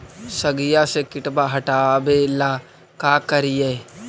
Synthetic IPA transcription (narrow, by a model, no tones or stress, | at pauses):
sɐɡijasekɪʈbaɦɐʈaːbeːlaː | kaːkɐɾije